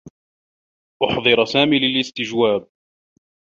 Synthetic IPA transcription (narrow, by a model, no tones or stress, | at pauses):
ʔʊħðˤɨɾsaːmiːlɪlɪst̪ɪd͡ʒwaːb̚